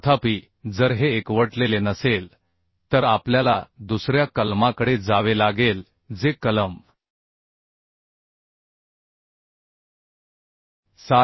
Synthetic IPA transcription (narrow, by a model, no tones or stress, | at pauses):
t̪ʰapiː | d͡zəɾɦeːkʋəʈlelenəsel | t̪əɾapljalad̪usɾjakəlmakəɽed͡zaʋelaɡel | d͡zekələm | sa